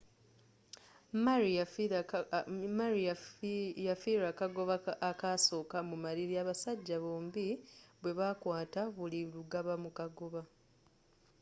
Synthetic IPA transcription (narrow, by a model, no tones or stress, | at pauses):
maɾ | maɾi | jafiɾakaɡoβaakaso̞ːkamumaɾiɾiaːβasaɟːaβoːmbiβwe̞βakwaːtaβuliluɡaβamukaɡo̞βa